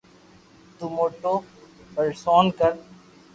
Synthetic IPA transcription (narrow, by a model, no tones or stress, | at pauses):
t̪umoːʈoːpəɾsoːnkəɾ